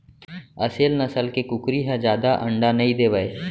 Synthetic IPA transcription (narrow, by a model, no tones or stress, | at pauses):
əseːlnɐsəlkekʊkɾiɦɛ̃d͡ʒjaːd̪aʔə̃ɳɖanɐĩd̪eːʋəeː